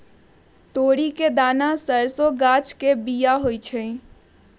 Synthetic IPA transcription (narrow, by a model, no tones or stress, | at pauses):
t̪oːɽiked̪aːnasəɾsoɡat͡ʃkebijaɦojt͡ʃʰəi